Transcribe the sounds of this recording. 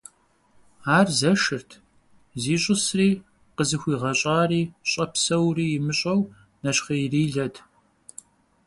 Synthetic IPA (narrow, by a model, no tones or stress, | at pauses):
aːrzɐʃɨrtʰ | ziːɕʼɨsriː | qəzɨxʷiːʁɐɕʼaːriːɕʼɐpsɐwriːjɪmɨɕʼɐw | nɐɕχɐjriːɮɐdʰ